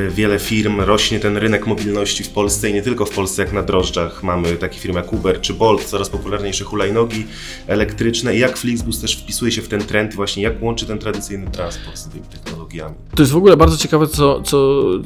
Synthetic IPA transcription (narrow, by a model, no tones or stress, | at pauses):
vʲjɛlɛfʲiɾmɾɔɕɲɛt̪ɛnɾɘnɛkmɔbʲilnɔɕt͡ɕifpɔlst̪sɛiɲɛt̪ɘlkɔfpɔlst̪sɛjaknad̪ɾɔʐd͡ʐaxmamɘt̪akʲi̥fʲiɾmjakubɛɾt͡ʂɘbɔlt̪t̪sɔɾaspɔpulaɾɲejʂɛxulajnɔɡʲi | ɛlɛkt̪ɾɘt͡ʂnɛijakflʲiɡzbust̪ɛʂfpʲisujɛɕɛft̪ɛnt̪ɾɛnt̪ivwaɕɲɛjakwɔnt͡ʂɘt̪ɛnt̪ɾad̪ɘt̪sɘjnɘt̪ɾanspɔɾt̪zt̪ɘmʲit̪ɛxnɔlɔɡʲja̰mʲit̪ɔjɛst̪vɔɡulɛbaɾd̪zɔt͡ɕɛkavɛt̪sɔt̪sɔ